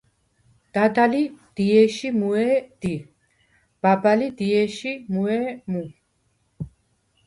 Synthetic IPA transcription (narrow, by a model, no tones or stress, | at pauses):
d̪̥ad̪alid̪̥iɛʃimuɛd̪̥i | b̥abalid̪iɛʃimuɛmu